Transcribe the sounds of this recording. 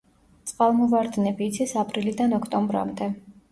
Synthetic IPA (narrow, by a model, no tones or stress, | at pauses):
t̪sʼqʼalˠmɔvaɾd̪nɛbiːt̪sʰisapʼɾilid̪anɔkʰt̪ʼɔmbɾa̰md̪ɛ